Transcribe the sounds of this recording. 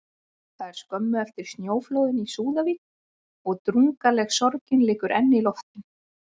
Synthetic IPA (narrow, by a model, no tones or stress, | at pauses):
θaðɛɾ̥skœmːʏɛft̪ɪɾ̥st̪njoːwflowðɪnisuːðaviːkn | ɔɣt̪ɾuŋkalɛɣsɔɾcɪnlɪːkʏɾʔɛnːɪilɔft̪ɪn